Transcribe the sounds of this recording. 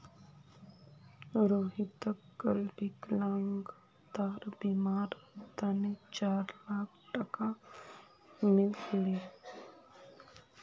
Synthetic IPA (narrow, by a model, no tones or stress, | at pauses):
ɾoːɦit̪əkɡəlbɪklaŋɡ | d̪aːɾbiːmaːɾt̪anit͡ʃaːɾlaːkʰʈɐka | mɪlkɪɽi